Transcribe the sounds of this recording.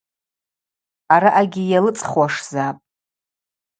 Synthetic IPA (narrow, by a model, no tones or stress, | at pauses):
aɾaʔaɡʲɪjalɨt͡sʼχwaʂz̥apʼ